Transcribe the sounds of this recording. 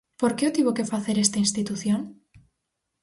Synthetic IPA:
poɾkeot̪iβokefaθeɾest̪ainst̪it̪uθjoŋ

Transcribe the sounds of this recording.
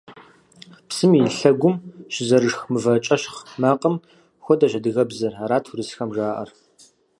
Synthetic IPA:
psɨminɬɐɡʷʊmɕɪzɐrɨʂxmɨvɐt͡ʃʼɐʃχmaːqʼəm | xʷɔdɐʒɐdɨɣɐbzɐraɾaːtʰurɨsxɐmʒaːʔɐ̰r

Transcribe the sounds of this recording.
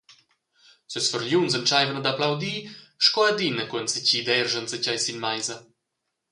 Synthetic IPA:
səsfəɾʎunzənt͡ʃajvənad̪aplawd̪iʃkɔad̪inəkuənsəciːd̪ɛrʒənsət͡ɕajsinmajzɐ

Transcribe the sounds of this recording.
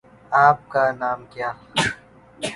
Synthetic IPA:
aːp̚kanaːmkjaː

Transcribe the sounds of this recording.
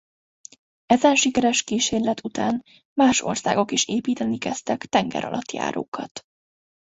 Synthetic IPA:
ɛzɛnʃikɛɾɛʃkiːʃeːrlɛt̪ʰut̪aːn | maːʃo̞̰rsaːɡo̞kiʃeːpiːt̪ɛnikɛst̪ɛkt̪ɛŋɡɛ̰ɾʔɒ̰lʔɒt̪ja̰ːɾo̰ːkʰɒt̪

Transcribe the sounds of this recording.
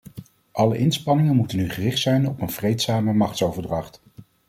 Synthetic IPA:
ʔɑləʔɪnspɑnɪŋənmutənyχərɪχtsɛjnɔpənv̥rejtsaːməmɑχtsowvəɹdrɑχt

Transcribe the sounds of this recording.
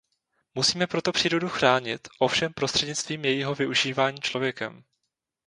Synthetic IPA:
musiːmɛpɾo̞t̪o̞pr̝̥iːɾo̞duxɾaːɲɪt̪ʔo̞fʃɛmpɾost̪r̥ɛdɲɪt͡st̪viːmjɛjiɦo̞vɪʔuʒiːvaːɲiːt͡ʃlo̞vjɛkɛm

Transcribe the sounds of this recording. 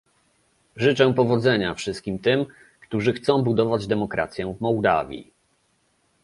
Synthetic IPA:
ʐɘt͡ʂɛpɔvɔd̪zɛɲafʂɘst̪̚kʲimt̪ɘm | kt̪uʐɘxt̪sɔ̃w̃bud̪ɔvad͡ʑd̪ɛmɔkɾʔa̰t̪sʲjɛvmɔwd̪a̰vʲjḭ

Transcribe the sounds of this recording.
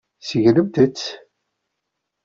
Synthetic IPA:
səʝləmt̪ət͡sː

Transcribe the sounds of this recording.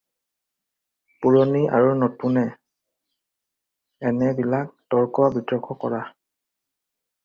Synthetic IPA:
puɹɔniʔa̰ɹunɔtunɛ | ɛnɛbilak̚tɔɹkɔbitɹɔkʰɔkɔɹa

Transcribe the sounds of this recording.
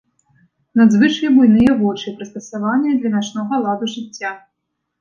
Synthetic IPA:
nad̪zvɨt͡ʂjʲibujnɨjɛvɔt͡ʂipɾɐst̪ɐsavanʲːɐd̪lʲɐnat͡ʂnɔɣɐlˠad̪uʐɨt͡sʲːa

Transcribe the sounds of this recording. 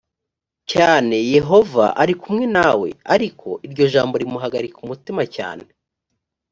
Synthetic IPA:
caːne̞je̞ɦo̞va̰ʔaɾikumŋenawe̞̰aɾikʰo̞̰ʔiɾɟo̞ʒaːmbo̞ɾimuɦaɡaɾikumutimaca̰ːne

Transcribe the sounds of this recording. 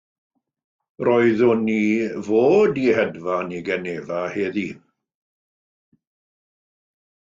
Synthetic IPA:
roɨðʊnivoːdihɛdvaniɡɛneːvaheːði

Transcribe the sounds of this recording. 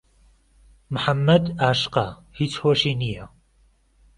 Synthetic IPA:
mħamːɐd̪aːʃqɐ | hit͡sʰhoʃiːnijɐ

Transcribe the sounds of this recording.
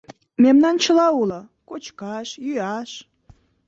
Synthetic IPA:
memnɑnt͡ɕəlɑulɤ̆ | kot͡ɕkɑʃjyɑʃ

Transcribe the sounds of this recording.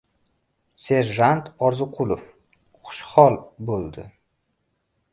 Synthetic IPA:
se̞ɾʒant̪ɒɾzʊqʰʊlˠof | χʊ̥ʃχɒlˠbolˠd̪ɪ

